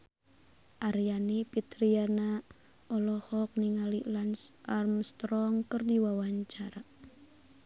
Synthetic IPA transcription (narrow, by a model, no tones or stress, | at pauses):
ʔaɾjanipit̪ɾiana | ɔlɔhɔk̚niŋalilanarmst̪ɔŋkərdiwawaɲt͡ʃaɾa